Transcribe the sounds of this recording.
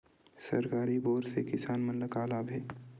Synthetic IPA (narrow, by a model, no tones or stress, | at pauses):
sɐɾkaːɾiboːɾsekɪsaːnmənləkaːlaːbʱeː